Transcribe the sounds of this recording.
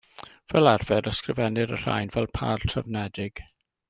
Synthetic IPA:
v̥ɛlarvɛɾəskrɪvɛnɪɾər̥a̰jnvɛlˠpʰa̰ːrtʰravnɛdɪɡ̥

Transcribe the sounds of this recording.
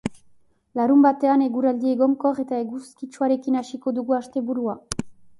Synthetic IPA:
laɾumbat̪e̞ane̞ɣuɾald̪ie̞ɣo̞ŋkore̞t̪ae̞ɣuskit͡ʃuaɾe̞kinaʃiko̞d̪uɣuaʃt̪e̞βuɾua

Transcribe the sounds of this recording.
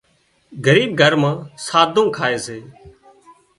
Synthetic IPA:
ɡəɾiːb̚ɡʱəɾmãːsaːd̪ʱõːkʰaːeːseː

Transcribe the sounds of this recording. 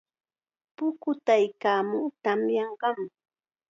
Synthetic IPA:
pʊkʊt̪ajkaːmʊŋt̪amjɑɴɢɑm

